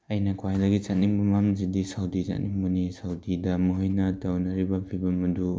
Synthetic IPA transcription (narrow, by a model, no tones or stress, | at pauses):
ɐjnɐkʰwajdɐɡit͡ʃatnimbumamzidisawdit͡ʃa̰tnimbunisawdidɐmuɦɯjnɐtawnɐɾibɐbʰibɐmɐdu